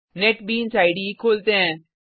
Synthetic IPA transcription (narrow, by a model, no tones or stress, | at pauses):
neʈbiːnsaːɪɖikʰoːlt̪eɦɛ̃ː